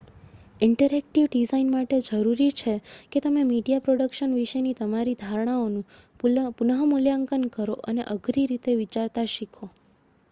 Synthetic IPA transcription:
ɪɳʈəɾek̚ʈiʋɖizainmaʈed͡ʒəɾuɾit͡ʃʰeket̪əmemiɖijapɾoɽəkʃənʋiʃenit̪əmaɾid̪ʱaɾɽ̃aonũ | punəɦəmuljaŋkənkəɾoʔənḛʔəɡɾiɾit̪eʋit͡ʃaɾt̪aʃikʰo

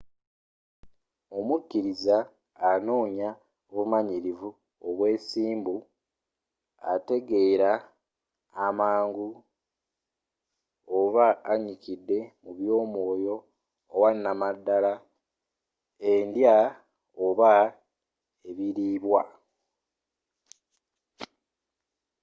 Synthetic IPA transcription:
o̞mukːiɾizaː | no̞ːɲa | oβumaɲiɾivu | oβwe̞ːsiːmbu | a̰te̞ɡe̞ːɾaː | maːŋɡu | oβaːɲikidːe̞muβjo̞ːmwo̞ːjo̞ː | wanːamadːala | endja | oβa | e̞βiɾiːβwa

